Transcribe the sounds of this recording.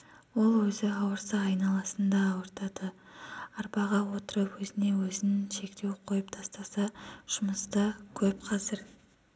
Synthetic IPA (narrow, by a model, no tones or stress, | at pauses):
wo̞lˠwɵzɪɑwəɾsɑɑjnɑlˠɑsənd̪ɑːwəɾt̪ɑd̪ə | ɑɾpɑʁɑwo̞t̪əɾəpwɵzɪne̞wɵzɪnɪʃe̞kt̪e̞wqʰo̞jəpt̪ʰɑst̪ɑsɑʒ̥ʊməst̪əkʲʰɵpqʰɑzɪɾ